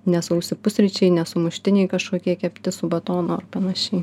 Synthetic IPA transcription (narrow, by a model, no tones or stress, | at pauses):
nʲɛsʊʊsʲɪpʊsʲɾʲɪt͡ʃʲɛɪnʲɛsʊmʊʃʲt̪ʲɪnʲɛɪkɐʃkoːkʲiɛkʲɛpʲt̪ʲɪsʊbɐt̪oːnoːɐrpɐnɐʃʲɛɪ